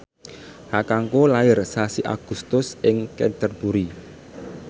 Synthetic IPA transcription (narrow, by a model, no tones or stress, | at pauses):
hakaŋkolaɪrsasiʔa̰ɡ̥ṳst̪ʊsɪŋkɛnt̪ərbuɾi